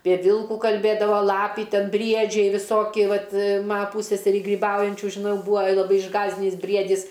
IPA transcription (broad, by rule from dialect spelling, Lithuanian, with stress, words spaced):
pʲiɛ ˈʋʲɪlˠkuː kɐlʲˈbʲeːdɐʋoː ˈlˠɑːpʲiː ˈtʲɛn ˈbʲrʲiɛd͡ʒʲɛɪ ʋʲɪˈsoːkʲɪ ˈʋɐt ˈmɐ ˈpuːsʲsʲɛsʲɛrʲiː ɡrʲiːˈbɐʊjɛnʲt͡ʃʲuː ʒʲɪˈnɐʊ ˈbuːɐ lˠɐˈbɐɪ ɪʒˈɡɑːzʲdʲɪnʲiːs ˈbʲrʲiɛdʲiːs